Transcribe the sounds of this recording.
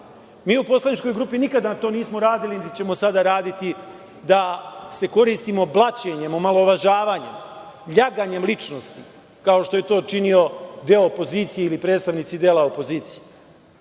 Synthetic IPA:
miːupo̞slˠanit͡ʃko̞jɡɾuːpinikad̪anat̪oniːsmoɾaːd̪ilint͡ɕe̞mo̞sad̪aɾaːd̪it̪i | d̪ase̞ko̞ɾiːst̪imo̞blˠat͡ɕe̞ɲe̞momalˠo̞ʋaʒaːʋaːɲe̞̰m | ʎaɡaɲe̞mlit͡ʃnost̪i | kao̞ʃt̪o̞je̞t̪o̞ːt͡ʃinio̞d̪eoːpo̞ziːt̪sije̞ilipɾe̞ːt̪st̪aʋnit̪sid̪e̞ːlˠao̞po̞ziːt̪sije

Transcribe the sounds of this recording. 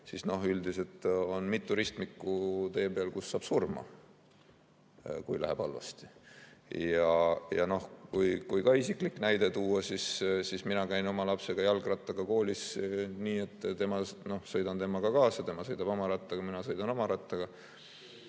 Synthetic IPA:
sisno̞ɦyld̪ise̞t̪ːˑo̞nmit̪ːˑuɾist̪mikːut̪e̞ːbe̞ɑlkusːɑːb̥surmɑ̰ | kujlæ̰hḛb̥ɑlvɑ̰st̪i̥ | jɑjɑ̰no̞hkujkujkɑːisikliknæjd̪̥e̞t̪uːɑsissisminɑkæjno̞mɑlɑpse̞ɡ̥ɑjɑlɡrɑt̪ːˑɑɡ̥ɑko̞ːlʲisniːe̞t̪ˑːt̪e̞mɑno̞hsɤ̞jd̪ɑnt̪e̞mɑɡ̥ɑkɑːsɑt̪e̞mɑsɤ̞jd̪ɑb̥o̞mɑɾɑt̪ːˑɑɡ̥ɑminɑsɤ̞jd̪̥ɑno̞mɑɾɑt̪ːˑɑɡ̥ɑ

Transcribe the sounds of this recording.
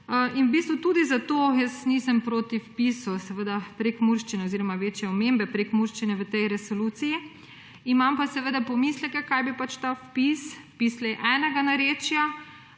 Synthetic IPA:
inwbiːst̪ʋut̪ud̪izat̪oːjəsnisɛmpɾoːt̪ifpisusɛʋəd̪apɾekmuɾʃt͡ʃinɛoziɾɔmaʋeːt͡ʃjɛɔmembɛpɾekmuɾʃt͡ʃinɛʋət̪ɛjɾɛsoluːt̪siji | imampasɛʋəd̪apɔmislɛkɛkajbipat͡ʃt̪afpispislɛjʔɛːnɛɡanaɾeːt͡ʃja

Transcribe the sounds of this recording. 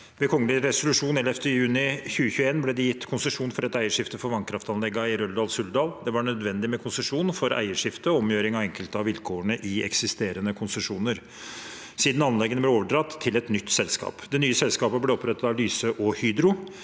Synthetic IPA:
ʋɛkʰɔŋːəlɪɾɛsʊlʉʂuːnɛlɛft̪əjʉːnɪçʉːəçʉəeːnblɛd̪ɪjɪt̪ːkʰʊnsəʂuːnfɔɾɛt̪æɪəʂɪft̪əfɔɾʋɑŋkʰɾɑft̪ɑnlɛɡːɑɪɾœld̪ɑːlsʉld̪ɑːld̪ɛʋɑɳœd̪ʋɛnd̪ɪmɛkʰʊnsəʂuːnfɔɾæ̰ɪəʂɪft̪əɔɔmjøːɾɪŋɑʋɛŋkəlt̪əɑʋɪlkʰoːəɳəʔɪɛksɪst̪eːɾənəkʰʊnsəʂuːnəɾ | siːd̪nɑnlɛɡːənəblɛoːʋəɖɾɑt̪ʰːɪlɛt̪nʏt̪ːsɛlskɑ̰ːpd̪ɛnyːəsɛlskɑːpəblɛɔpʰɾɛt̪ːɑt̪ɑʋlyːsəʔɔhyːd̪ɾʊ

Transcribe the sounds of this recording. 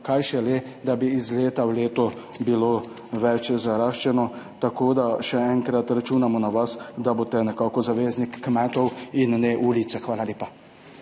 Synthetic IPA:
kajʃɛle | d̪abiizleːt̪awleːt̪ɔ | bilo | ʋɛt͡ʃzaɾaːʃt͡ʃɛnɔt̪akoːd̪aʃɛɛŋkɾat̪ɾat͡ʃuːnamɔnaʋasd̪abot̪ɛnɛkaːkɔzaʋeːznikːmɛːt̪ɔwinːɛʔulit̪sɛxʋaːlaleːpa

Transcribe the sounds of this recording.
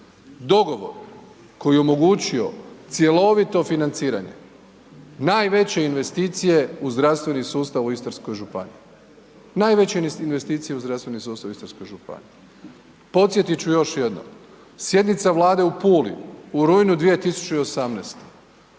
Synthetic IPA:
d̪o̞ɡo̞ʋo̞̰ɾ | ko̞jio̞mo̞ɡut͡ɕio̞t̪sje̞lo̞ʋit̪o̞finant̪siːɾa̰ɲe̞̰ | naːjʋe̞t͡ɕe̞inʋe̞st̪iːt̪sije̞uzd̪ɾast̪ʋe̞nisuːst̪aʋuist̪aɾskojʒupa̰nḭi | naːjʋe̞t͡ɕeinʋe̞st̪iːt̪sije̞uzd̪ɾast̪ʋe̞nisuːst̪aʋuist̪ɾsko̞jʒupa̰nii | po̞t̪sjet̪it͡ɕujo̞ʃje̞d̪no̰m | sje̞d̪nit̪saʋlˠaːd̪e̞upuːlḭuɾujnud̪ʋije̞t̪isu̥t͡ɕeiosamneːst̪e

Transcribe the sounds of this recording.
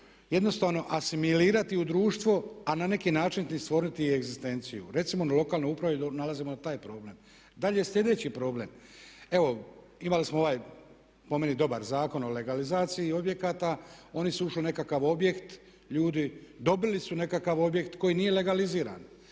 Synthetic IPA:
je̞d̪no̞st̪aːʋno̞ʔasimiliːɾat̪iud̪ɾuːʃt̪ʋoanane̞kinaːt͡ʃint̪ist̪ʋo̞ːɾnit̪ieɡzist̪e̞nt̪sijuɾe̞t̪simo̞nalˠo̞kaːlno̞jupɾaʋed̪onalazimonat̪aːjpɾo̞ːble̞ːm | d̪aʎeslʎʲe̞d̪e̞t͡ɕipɾo̞ːblem | e̞ʋo̞ | imalismooʋaːj | pome̞nid̪o̞baɾzaːko̞no̞le̞ɡalizaːt̪sijio̞bje̞kat̪ao̞nisuuʃline̞kakaʋo̞bje̞kt̪ | ʎuːd̪id̪o̞bilisune̞kakaʋo̞bje̞kt̪ko̞jinije̞le̞ɡaliziːɾa̰ːn

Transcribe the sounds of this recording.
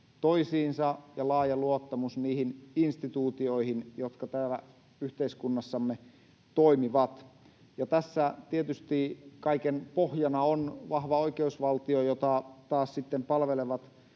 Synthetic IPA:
t̪oisiːnsɑjɑlɑːjɑluot̪ːɑmusniːhininst̪it̪uːt̪ioihinjot̪kɑt̪æːlæ | yht̪eiskunːɑsːɑmːe | t̪oimiʋɑt̪ | jɑt̪æsːæt̪iet̪yst̪iːkɑikenpohjɑnɑonʋɑhʋɑoikeusʋɑlt̪iojot̪ɑt̪ɑːssit̪ːempɑlʋeleʋɑt̪

